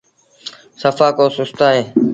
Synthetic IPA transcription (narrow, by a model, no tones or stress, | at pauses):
səfaːkoːsʊst̪aːɦeː